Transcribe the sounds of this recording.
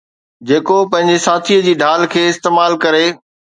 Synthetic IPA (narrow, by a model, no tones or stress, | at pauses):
d͡ʑeːkopɐ̃ɦɪ̃ɲd͡ʑesaːt̪ʰiːəd͡ʑiːɖʱaːlkʰeːɪst̪eːmaːlkɐɾe